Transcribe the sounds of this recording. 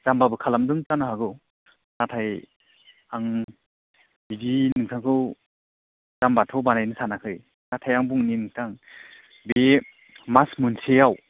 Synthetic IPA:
t͡ʃambabɯkʰalamdɯŋtanaɦaɡɯw | natʰaj | aŋ | bidinɯŋtʰaŋkʰɯw | zambatʰɔwbanajnɯsanakʰɯj | natʰajaŋbuŋninɯŋtʰaŋ | be | masmunsʰejaw

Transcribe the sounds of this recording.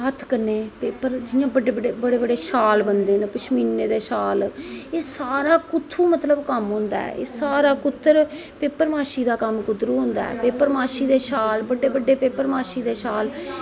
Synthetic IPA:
ɦət̪ʰkəneːpeːpːəɾd͡ʒɪjãːbəɖeːbəɖeːbəɽeːbəɖeːʃaːlbənd̪eːnpət͡ʃʰmiːnːeːd̪eːʃaːleːsaːɾaːkʊt̪ʰːuːmət̪ləbkəmɦõːnd̪a̰ːɛ̰ʔḛːsaːɾaːkʊt̪ʰːəɾ | peːpːəɾmaːʃiːd̪aːkəmkʊd̪ɾuːɦõːnd̪a̰ːɛ̰ːpeːpəɾmaːʃiːd̪eːʃaːlbəɖeːbəɖːeːpeːpəɾmaːʃiːd̪eːʃaːl

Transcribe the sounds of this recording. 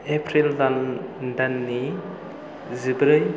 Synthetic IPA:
epʰɾildandanːi | zibɾɯj

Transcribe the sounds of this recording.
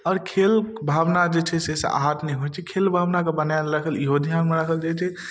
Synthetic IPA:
ɔːɾkʰelbʱabnad͡ʒet͡ʃʰɛsesḛa̰ɦat̪nɛĩɦoɛt͡ʃʰɛkʰelbʱaʋnakebənajɾəkʰəljod̪ʱijanmeɾəkʰəld͡ʒet͡ʃʰɛ

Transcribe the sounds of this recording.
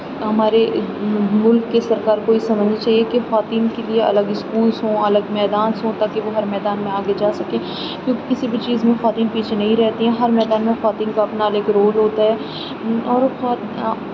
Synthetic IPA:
ɦɐmaːɾe | mʊlkːesɐɾkaːɾkoːisɐməd͡ʒnat͡ʃaːɦiekexʋaːt̪iːnkelieɐ̰ləɡɪskuːlsɦõːɐləɡmɛːd̪aːnsɦõt̪aːkeʋoɦɐɾmɛːd̪aːnmẽaːɡed͡ʒaːsɐkẽː | kjõːkekɪsibʱit͡ʃiːzmẽxaːt̪iːnpiːt͡ʃʰenɐɦĩɾɛɦt̪iɦɛ̃ɦɐɾmɛːd̪aːnmẽxɐʋaːt̪iːnkaɐpnaɐləɡɾoːlɦoːt̪aɦɛː | ɔːɾxː

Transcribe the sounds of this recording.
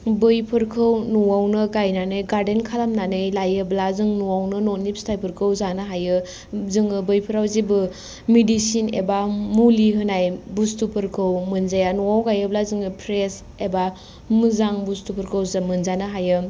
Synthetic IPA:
bɯjpʰɯɾkʰɯwnuwawnɯɡajnanɯjɡaɾdenkʰalamnanɯjlajɯblazɯŋnuwawnɯnɔnip̚stʰajpʰɯɾkʰɯwzanɯɦajɯ | zɯŋɯbɯjpʰɯɾawzibɯ | midisinḛbamuliɦɯnajbustupʰɯɾkʰɯwmɯnzajanuwawɡajɯblazɯŋɯpʰɾes | eba | mɯzaŋbustupʰɯɾkʰɯwzamɯnzanɯɦajɯ

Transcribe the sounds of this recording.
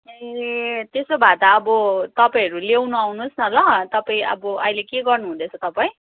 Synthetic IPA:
et̪esobʱat̪aːbʌt̪ʌpaij̃ɦʌɾulewnuawnusnʌlʌt̪ʌpaĩʌ̰bʌʔʌjlekeɡʌrnuɦũd̪et͡sʰʌt̪ʌpaĩ

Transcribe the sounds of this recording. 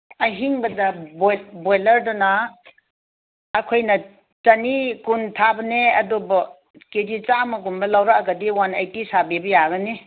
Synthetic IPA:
aɦiŋbɐdɐbbolɐɾdɔna | kʰojnɐ | t͡ʃɐnikuntʰabɐneɐdɔbɔ | kedit͡ʃamɐɡunbɐlawɾaaɡɐdiwanajtisabebɐjaɡɐne

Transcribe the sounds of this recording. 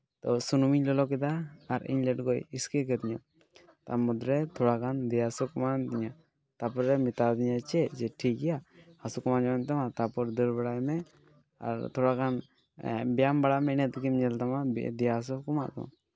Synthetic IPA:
t̪ɔsunumiɲlɔlɔk̬ɛd̪aːɾḭɲlɛʈɡɔjiskɛkɛt̪iɲa̰ | t̪a̰mɔd̪ɾɛt̪ʰɔɽakand̪ɛjasɔkɔmant̪iɲa | t̪apɔɾːɛmit̪ad̪iɲat͡ʃɛd͡ʒɛʈʰik̚ɡɛjaːsɔkɔmand͡ʒɔant̪amat̪apɔɾd̪əɾbaɽajmɛ | a̰ɾt̪ʰɔɽakan | bɛjambaɽamɛnɛt̪kimɲɛlt̪amad̪ɛjas̬ɔkɔma̰ʔt̪ɔ̰ma

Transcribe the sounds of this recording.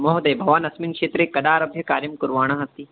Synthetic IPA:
mɔɦd̪ɐjbʱɐʋaːnɐsmiŋkʂeːt̪ɾekɐd̪aːɾɐbʱjɐkaːɾjɐmkʊɾʋaːɽ̃aːɦɐt̪i

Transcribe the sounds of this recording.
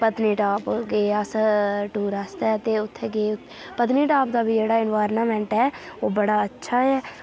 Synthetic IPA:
pət̪niːʈaːpɡeːəsʈuːɾast̪ɛːt̪eːʊt̪ʰːeːɡeːʊt̪ | pət̪niːʈaːpd̪aːbʱiːd͡ʒeːɽaːɪnʋaːɾnaːmɛ̃ːɳʈɛːoːbəɽaːətːʃʰaːɛː

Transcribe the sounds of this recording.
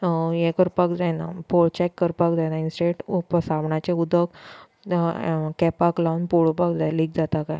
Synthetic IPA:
jɛkəɾpakd͡zajnapoɭt͡ɕakːəɾpakd͡zajnainsʈeʈpəsaʋɳat͡ɕeud̪əɡ | kɛpaklaunpoɭopakd͡zalik̚d͡zat̪akaj

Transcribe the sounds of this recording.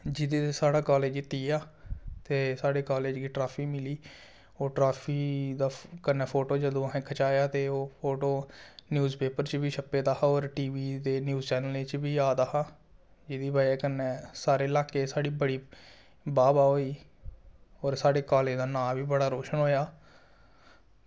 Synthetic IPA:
d͡ʒɪd̪eːsaːɽaːkaːleːd͡ʒɪt̪iːaːt̪eːsaːɽeːkaːleːd͡ʒɡiːʈɾaːpʰiːmɪliː | oːʈɾaːpʰiːd̪aːkənːɛːpʰoːʈoːd͡ʒəd̪õːɦẽːkʰət͡ʃaːjaːt̪eːoːpʰoːʈoːnjuːzpeːpəɾt͡ʃbiːʃəpeːd̪aːɦaːɔːɾʈiːʋiːd̪eːnjuːzt͡ʃɛːnəleːt͡ʃbiːaːd̪aːɦaː | d͡ʒɪd̪iːbaːieːkənːɛːsaːɾeːɪlaːkeːsaːɽiːbəɽiː | baːbaːoːiː | ɔːɾsaːɽeːkaːleːd̪aːnãːʋiːbəɽaːɾoːʃənɦoːjaː

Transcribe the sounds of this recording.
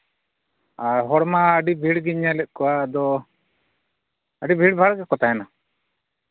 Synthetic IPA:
aɾɦɔɽmaːɖibʱiɽɡiɲalɛʔ̚ˀkɔwad̪ɔ | əɖibʱiɽbʱaɽɡɛkɔt̪ajɛna

